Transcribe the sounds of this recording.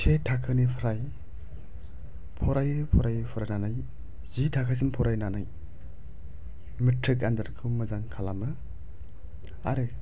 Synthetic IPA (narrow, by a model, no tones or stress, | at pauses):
tʰetʰakʰɯnipʰɯɾaj | pʰɔɾajɯpʰɔɾajpʰɔɾajnanaj | zitʰakʰas̬impʰɔɾajnanaj | mitʰɾik̬andaɾkʰumɯzaŋkʰalamɯ | a̰ɾɯ